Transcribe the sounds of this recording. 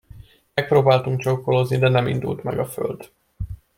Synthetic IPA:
mɛk̚proːbaːlt̪uŋkt͡ʃokːo̞lo̞znid̪ɛnɛmḭnd̪ṵlt̪mɛ̰ɡɒfø̞̰ld̪

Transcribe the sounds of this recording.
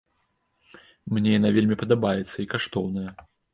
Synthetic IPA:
mnʲɛjanavʲelʲmʲipɐd̪abajɛt̪sːɐikaʂt̪ɔwnɐjɐ

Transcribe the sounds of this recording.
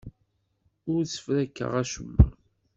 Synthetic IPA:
ʊɾt͡sːə̥fɾækːə̰ʁæʃəbːə

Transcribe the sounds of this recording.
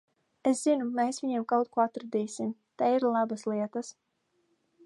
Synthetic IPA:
eszinumeːsvʲiɲiɛmkawt̪̚kuɔat̪ɾad̪iːsimt̪aiɾlˠabaslˠiɛt̪as

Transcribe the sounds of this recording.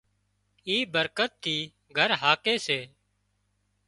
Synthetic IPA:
iːbəɾkət̪ʰːiː | ɡʱəɾɦaːkeːseː

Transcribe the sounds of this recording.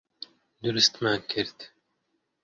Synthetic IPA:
d̪uɾɨst̪maːnkʰɪɾt̪

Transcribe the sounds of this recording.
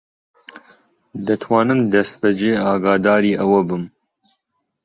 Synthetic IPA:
d̪ɨt̪ʰwɑːnɨmd̪ɛst̪̚bɛd͡ʒeːɑːɡɑːd̪aːɾiːʔɛwɐbɨm

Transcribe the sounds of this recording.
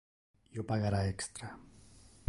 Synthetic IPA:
jopaɣaɾaekst̪ɾa

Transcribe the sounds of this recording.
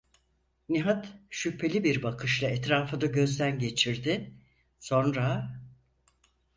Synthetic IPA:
niɦat̪ʃypʰe̞lʲibiɾbakʰɯʃlˠaɛt̪ɾaːfɯd̪aɟø̞zd̪ænɟe̞t͡ʃʰiɾd̪ɪ | so̞nɾa

